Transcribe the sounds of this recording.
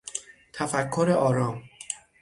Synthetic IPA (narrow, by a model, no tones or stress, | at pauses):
t̪ʰæfækʰːoɾeʔɒːɾɒːm